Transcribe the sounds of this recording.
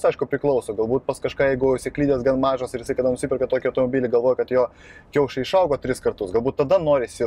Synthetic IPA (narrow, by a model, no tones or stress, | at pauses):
sɐɪʃkʊpʲɾʲɪklˠɐʊsoʊɡɐlˠbuːt̪̚pɐskɐʃkɑːjɛɪɡʊʊʃsʲɪklʲiːd̪ʲeːsɡɐnmɑːʒoːsɪɾjɪsɐɪkɐd̪ɐnʊʃsʲɪpʲɪrkɐt̪oːkʲɪɐʊt̪oːmobʲiːlʲɪɡɐlˠʋoːjkɐt̪joː | kʲɛʊʃʲɐɪʃɐʊɡoːt̪ʲɾʲɪskɐrt̪ʊsɡɐlˠbuːt̪t̪ːɐd̪ɐnoːɾʲɪsʲɪ